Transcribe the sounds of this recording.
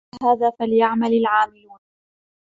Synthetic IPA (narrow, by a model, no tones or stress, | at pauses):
ɦaːðaːfalɪjaʕmalalʕaːmɪluːn